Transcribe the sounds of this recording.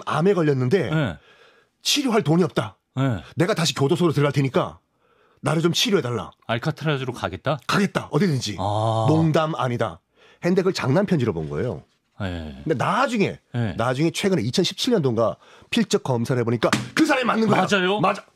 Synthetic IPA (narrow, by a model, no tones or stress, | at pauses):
ma̰me̞ɡʌʎːʌnːɯnde̞je | t͡ɕʰiɾjoɦaɭtoɲiʌp̚t͈a | jene̞ɡataɕ̬ʰikjodosʰoɡɯɾot̬ɯɾɾaɭtʰeɲik͈a̰ | naɾɯɭt͡ɕomt͡ɕʰiɾjoe̞daɭːa̰aɭkʰatʰɯɾad͡ʑɯɾokaɡet̚t͈akaɡe̞t̚t͈aʌdiedɯnd͡ʑinoŋdama̰ɲida̰ | hende̞ɡɯɭt͡ɕa̰ŋnanpʰjʌnd͡ʑiɾʌbo̰nɯnɡʌḛjo̰ | eɯndenad͡ʑuŋe̞jenad͡ʑuŋe̞t͡ɕʰwe̞ɡɯneit͡ɕʰʌnɕʰi̥p̚t͡ɕʰiɭɲʌndoŋɡa | pʰiɭt͡ɕ͈ʌk̚k͈ʌmsʰaɾe̞boɲik͈akɯsʰaɾamimanːɯnɡʌd͡ʑajomad͡ʑa